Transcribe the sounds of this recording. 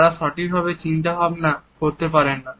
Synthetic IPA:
ɾaʃɔʈik̚bʱaβet͡ɕint̪aɦɔbenakoɾt̪ep̬aɾenːa

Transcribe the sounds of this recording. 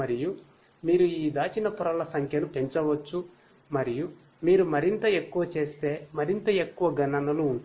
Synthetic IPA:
mɐɾiju | miːɾuiːd̪aːt͡ʃinɐpuɾɐlɐsɐŋkʰjɐnupe̞ɲt͡ʃɐʋɐt͡ʃːu | mɐɾiju | miːɾumɐɾint̪ɐe̞kːuʋɐt͡ʃe̞ːst̪e̞ːmɐɾint̪ɐe̞kːuʋɐɡɐɳɐnɐluːɳ

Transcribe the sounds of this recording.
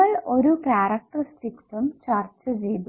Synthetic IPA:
ɐɭo̞ɾukaːrɐk̚ʈrɐsʈikt̪umt͡ɕɐrt͡ɕːɨt͡ɕe̞jt̪u

